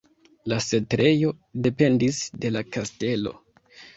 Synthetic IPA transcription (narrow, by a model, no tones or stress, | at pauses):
lase̞tɾe̞jo̞ | de̞pe̞ndisde̞lakaste̞lo̞̰